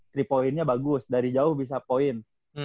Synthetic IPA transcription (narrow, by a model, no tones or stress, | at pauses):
t̪ɾipoɪnɲabaɡʊsdaɾid͡ʒaʊhbis̬apoɪn